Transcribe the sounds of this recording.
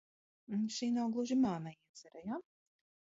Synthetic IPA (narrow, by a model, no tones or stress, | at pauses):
ʃiːnawɡlˠuʒimaːnaid̪z̥ɛɾaja